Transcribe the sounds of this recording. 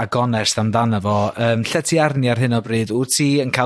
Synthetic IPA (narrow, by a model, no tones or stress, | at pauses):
aɡ̥ɔnɛsθamdanavɔəːmɬɛtʰiarniarɦɪnɔbrɨːðʊrtʰiːənkʰa